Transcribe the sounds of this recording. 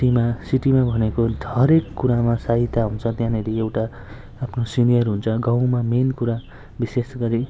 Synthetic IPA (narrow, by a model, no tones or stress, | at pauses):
imasiʈimabʱʌnekod̪ʱʌɾekːuɾamasaɦit̪ːaɦunt͡sʰʌt̪jãneɾiewʈaː | pʰnosinijʌrɦunt͡sʰʌɡãw̃mamenkuɾa | bisesɡʌɾi